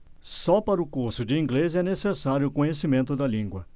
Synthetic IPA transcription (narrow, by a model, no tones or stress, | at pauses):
sɔpaɾʊkuɾsʊd͡ʒɪĩɡlezɛnesesaɾjʊːkõɲesimẽnt̪ʊd̪ɐlĩŋɡwɐ